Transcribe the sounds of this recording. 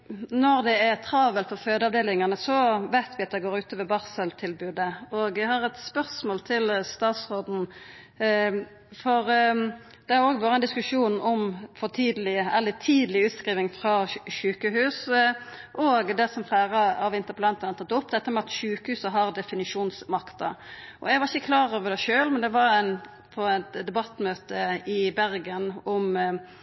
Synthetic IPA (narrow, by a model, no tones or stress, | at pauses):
nɔʁd̪ɛæɾt̪ʰɾɑʋəlfɔføːd̪əɑʋd̪eːlɪŋɑnəsɔʋæɪt̪ʋɪɑt̪d̪ɛɪɡoːɾʉːt̪əʋɛbɑʁsəlt̪ʰɪlbʉːd̪əoːɡæɪhɑʁɛt̪spœʁsmoːlt̪ʰɪlst̪ɑːt̪sʁoːd̪n̩ | fɔɾ | d̪̥ɛæɾoːɡʋoːɾəɛnd̪ɪskʉʂuːnɔmfɔt̪ʰiːd̪əlɪəɛlːət̪ʰiːd̪əlɪʉːt̪skɾiːʋɪŋfʁɑʃʉːkəɦʉːs | ʔoːɡd̪ɛsɔmflæːɾəɑʋɪnt̪əɾpəlɑnt̪ɑnət̪ʰɑt̪ːʊpːd̪ɛt̪ːəmɛɑt̪ʃʉːkəhʉːsəɦɑʁd̪ɛfɪnɪʂuːnsmɑkt̪ɑʔɔ̰ɛɡʋɑʁɪçəkʰlɑːɾoːʋəd̪ɛʃøːlmɛnd̪ɛʋɑɾæn | pʰɔæt̪d̪ɛbɑt̪ːmøːt̪əɪbæɾɡənɔm